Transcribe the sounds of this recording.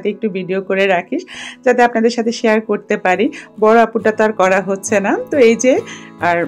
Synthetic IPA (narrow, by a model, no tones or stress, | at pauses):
t̪eek̚ʈubʱiɖiokoɾeɾakʰiʃd͡ʑat̪eapnad̪eɾʃat̪ʰeʃeaɾkoɾt̪epaɾibɔɽoapuʈat̪aɾkɔɾaɦotːɕʰenat̪oejd͡ʑea